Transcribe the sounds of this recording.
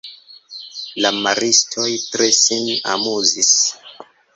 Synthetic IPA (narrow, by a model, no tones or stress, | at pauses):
lamaɾistʰo̞jtɾesina̰muzis